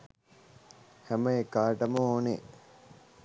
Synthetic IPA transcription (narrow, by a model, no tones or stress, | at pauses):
hæmɐekaːʈɐmɐoːne